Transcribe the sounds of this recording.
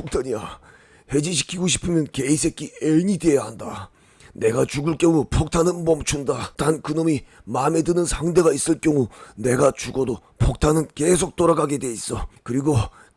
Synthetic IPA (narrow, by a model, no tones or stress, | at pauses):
pʰok̚tʰaɲia | he̞d͡ʑiɕ̬ʰi̥kʰiɡoɕʰi̥pʰɯmjʌnke̞is̬ʰe̞kʰieɲide̞jaɦanda | ne̞ɡat͡ɕuɡɯɭk͈jʌŋupʰok̚tʰanɯnmʌmt͡ɕʰundatankɯnʌmi | mame̞dɯnɯnsʰaŋde̞ɡais͈ɯɭk͈jʌŋune̞ɡat͡ɕuɡʌdopʰok̚tʰanɯnkes̬ʰok̚t͈oɾaɡaɡe̞dwe̞is͈ʌkɯɾiɡo